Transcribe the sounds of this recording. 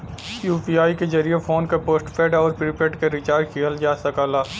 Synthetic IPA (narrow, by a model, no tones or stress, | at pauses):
sjuːpiaːikezɐɾijefoːnkapoːsʈpɛːɖɔːɾpɾɪpeʈkeɾɪt͡ʃaːɾkʰiəld͡ʒaːsɐkaːlaː